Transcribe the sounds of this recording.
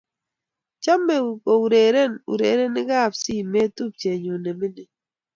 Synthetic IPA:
t͡ʃa˦mːe˨ko˨u˨ɾe˨ɾe˦˨nṵ˨ɾḛ˨˦ɾe˦ni˦ɡa˦˨p̚si˦˨me˦tu˦˨p̚t͡ʃe˨ɲo˨ne˨me˦ne˨

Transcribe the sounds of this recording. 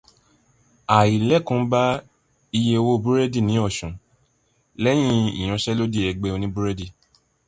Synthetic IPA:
a˨i˨lɛ˨˦kũ˨˦ba˦ | i˧je˧wo˦˧˨bu˦ɾe˦di˦˨nĩ˨˦ɔ˦˨ʃũ˨ | lɛ˦j̃ĩ˧ḭ˨ɾ̃ã˧ʃɛ˦lo˦di˦˨ɛ˧ɡ͡be˧o˧nĩ˦bu˦ɾe˦di˧˨

